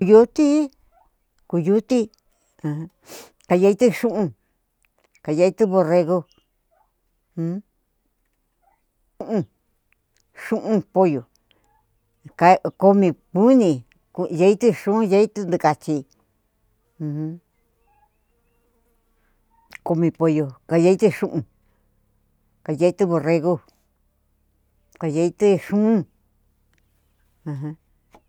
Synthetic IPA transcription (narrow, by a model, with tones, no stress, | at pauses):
ku˧ju˧˦t̪i˦ | ku˧ju˧˦t̪ĩ˦˧ | ka˧ja˧i˧t̪ɨ˦˧ʃũ˦ʔũ˧ | ka˧˨ja˧i˧t̪ɨ˦βo˧re˧ɣo˧˦ | u˦ʔũ˧ | ʃũ˦ʔũ˧po˧jo˨ | ka˧ko˧mĩ˧pu˦nĩ˧ | ku˧je˧i˦t̪ɨ˦ʂũ˦je˧˦i˦t̪ɨ˦˧nd̪ɨ˧ka˧t͡ʃi˧ | hũ˦ | ko˧mĩ˧po˧jo˧ka˧ja˧˦i˦t̪ɨ˧ʂũ˦ʔũ˧ | ka˨˧je˧˦i˧t̪ɨ˦βo˧re˧ɣo˦˧ | ka˧ja˧i˧t̪ɨ˦ʂũ˦ũ˦ | ã˧ɦã˧